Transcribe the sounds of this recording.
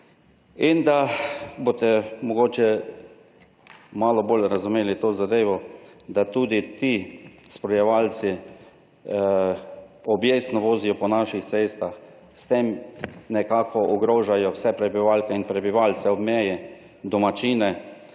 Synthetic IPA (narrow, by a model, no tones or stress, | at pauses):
ind̪abot̪ɛmɔɡoːt͡ʃɛ | maːlɔboːlɾazumeːlit̪oːzad̪eːʋɔd̪at̪uːd̪it̪ispɾɔjɛʋalsi | ɔbjesnɔʋoːzijɔpɔnaʃixt̪seːst̪ax | st̪emnɛkaːkʰɔʔɔɡɾoːʒajɔwsɛpɾɛbiʋalkɛinpɾɛbiʋalsɛɔbmɛːjɛ | d̪ɔmat͡ʃiːnɛ